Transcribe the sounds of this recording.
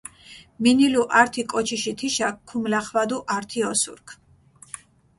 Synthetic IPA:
miniluʔaɾt̪ʰikʼɔt͡ʃʰiʃit̪ʰiʃakʰːumlaχwad̪uʔaɾt̪ʰiɔsṵɾkʰ

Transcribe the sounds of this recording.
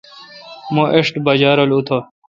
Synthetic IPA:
mõʔeʂʈbɐd͡ʑaːɾolut̪ʰo

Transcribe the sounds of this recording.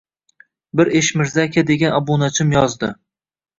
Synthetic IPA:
bɪɾeʃmɪɾzakʲad̪e̞ɡʲanɒbunat͡ʃʰɪmjɒzd̪ɪ

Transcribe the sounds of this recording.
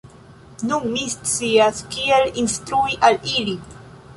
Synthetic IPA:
nunmist͡siaskielinst̪ɾuiʔalili

